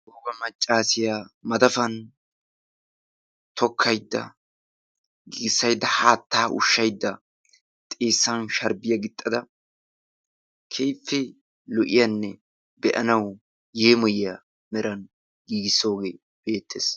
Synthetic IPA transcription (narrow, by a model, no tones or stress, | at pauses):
oːɡɐmɐt͡ʃʼːaːsɪjamɐd̪ɐfɐn | t̪ʰɔkʰːɐjd̪ːɐ̰ | ɡiːɡɪsːɐjd̪ːɐhaːt̪ːaːʔʊ̰ʃːɐjd̪ːɐ | t̪ʼe̞ːsːɐnʃɐɾbɪjɐɡɪt̪ʼːɐd̪ɐ | kʰejfːɪ | lɔʔɪjɐnːɛ | bɛʔɐnɐw | jeːmɔjɪjɐ | mɛɾɐn | ɡiːɡɪsːo̞ːɡeː | b̥e̞ːt̪ːeːs